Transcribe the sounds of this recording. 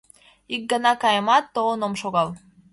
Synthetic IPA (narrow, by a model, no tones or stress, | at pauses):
ik̚ɡənɑkɑjəmɑt̪ːoonomʃoɣɑl